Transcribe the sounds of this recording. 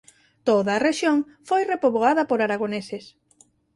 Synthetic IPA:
t̪oðaːreʃjoŋ | fojrepoβoaðɐpoɾaɾaɣoneses

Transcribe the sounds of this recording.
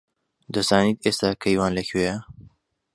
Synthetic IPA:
d̪ɐzaːniːt̪eːst̪aːkʰɐjwaːnlɐkʰweːjɐ

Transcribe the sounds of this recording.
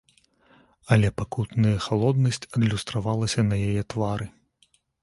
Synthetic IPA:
ɐlʲɛpakut̪nɐjɐxalˠɔd̪nɐsʲt͡sʲɐd̪lʲust̪ɾavalˠɐsʲɐnɐjajɛt̪vaɾɨ

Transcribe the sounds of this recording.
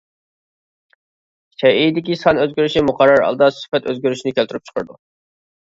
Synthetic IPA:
t͡ʃʰɛid̪ɪkʲisɑnøzɡʲøɾyʃimʊqʰɑɾːɑɾɑ̰lˠd̪ɑsɪ̥fɛt̪ʰøzɡʲøɾyʃinɪkʲʰɛlt̪ʰyɾyp̚t͡ʃʰə̥qʰəɾd̪ṵ

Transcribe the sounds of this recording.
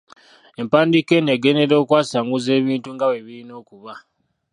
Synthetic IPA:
e̞mpaːndike̞neɡe̞ne̞ɾo̞ːkwaːsaːŋɡuze̞ːβiːntuŋɡaweβiɾino̞ːkuβa

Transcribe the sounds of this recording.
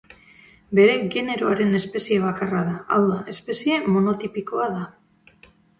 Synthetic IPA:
be̞ɾe̞ɣe̞ne̞ɾo̞aɾe̞ne̞spe̞sie̞β̞akaraðaawðaʔe̞spe̞sie̞mo̞no̞t̪ipiko̞aða

